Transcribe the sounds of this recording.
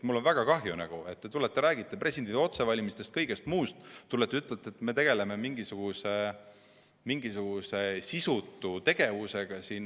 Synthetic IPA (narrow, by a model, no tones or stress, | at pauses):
t̪mulːo̞nvæɡ̥ɑkɑɦjunæ̰ɡ̥ue̞t̪ːe̞t̪ulet̪ːeɾæːɡ̥it̪ːˑepre̞sind̪id̪eo̞t̪se̞vɑlʲimist̪e̞st̪̚kɤjɡ̥e̞st̪muːst̪t̪ːulːet̪ːeyt̪ːˑelt̪ːe̞t̪ːme̞t̪e̞ɡ̥e̞le̞me̞miŋɡisuɡ̥use | miŋɡisuɡ̥use̞sisut̪ːˑut̪e̞ɡ̥e̞vuse̞ɡ̥ɑsiːn